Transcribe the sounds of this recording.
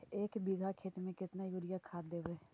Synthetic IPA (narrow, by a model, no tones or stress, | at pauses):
eːkbiɡʱakʰeːt͡ʃmẽkɪt̪najuːɽijakʰaːd̪eːʋeː